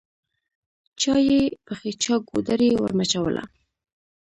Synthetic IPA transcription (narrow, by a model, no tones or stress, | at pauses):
t͡ʃɑjepəxet͡ʃɑɡod̪aɾewə̰ɾmat͡ʃawə̰lʔa̰